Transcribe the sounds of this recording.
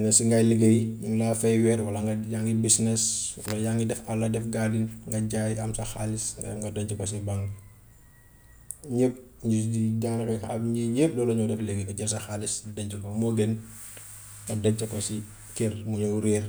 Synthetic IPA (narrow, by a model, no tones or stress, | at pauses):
nɐsiŋɡajleɡejɲulaːfɛjwɛːɾwɐlɐŋɡɐjaŋɡibisnɛswɐlɐjaŋɡidɛfɐlːɐdɛfɡadinŋɡɐɟaːjɐmsɐxalisɛ̰ŋɡɐdɐɲt͡ʃubɐs̬ibaŋɡ | ɲeːp̚ | ɲididaːnkɐaɲiɲeːp̚dɔːlɐɲɔwdɛfleɡeɡɐɟɐrsɐxalisdɐɲt͡ʃubɐŋmɔɡɛn | ŋɡɐdɐɲt͡ʃːɐkɔsi | kɛrmuɲɔwɾiːr